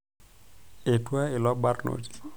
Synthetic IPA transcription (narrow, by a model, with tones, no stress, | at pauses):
e˨twa˦ɪ˨lɔ˦ba˦rno̰˨d͡ʒi̥˦